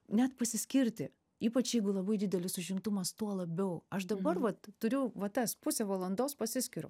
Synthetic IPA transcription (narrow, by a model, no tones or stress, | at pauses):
nʲɛt̪pɐsʲɪsʲkʲɪɾʲt̪ʲɪ | iːpɐt͡ʃjɛɪɡʊlˠɐbɐɪd̪ʲɪd̪ʲɛlʲɪsʊʒʲɪmt̪ʊmɐst̪uɔlˠɐbʲɛʊɐʃd̪ɐbɐrʋɐt̪tʊɾʲʊʋɐt̪ɐspʊsʲɛʋɐlˠɐnd̪oːspɐsʲɪsʲkʲɪɾʊ̰